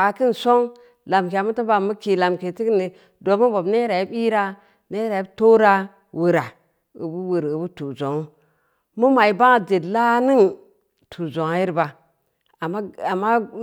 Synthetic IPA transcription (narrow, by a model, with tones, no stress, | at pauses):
a˨ki˦n˨so˦ŋ | la˨mk̬e˨a˨mu˦ti˦ba˨mu˦ki˨la˨mke˨ti˦kni˨ | do˨mu˦bo˨bne˦ɾa˨ji˦bi˦ɾa˦ | ne˦ɾa˨ji˦bto˦ɾa˦ | wu˨ɾa˨ | u˨bu˦wu˨ɾu˨bu˦tu˨zo˨ŋ˦ | mu˦ma˨i˨ba˦ŋa˨d͡ʒe˨dla˦ni˦ŋ | tʰu˨zo˨ŋa˦ji˦ɾba˨ | a˨mːa˦a˨mːa˦